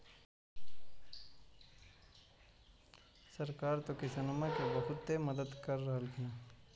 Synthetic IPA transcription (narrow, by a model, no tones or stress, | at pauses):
sɐɾkaːɾt̪okɪsɐnəmakibɐɦʊt̪ːeməd̪əd̪kəɾːəɦəlɡĩː